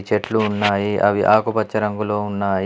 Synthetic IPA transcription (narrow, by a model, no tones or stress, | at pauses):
t͡ʃeʈluːnːaːjiʔɐ̰ʋiʔaːkupɐt͡ʃːɐɾɐŋɡulo̞ːunːaːji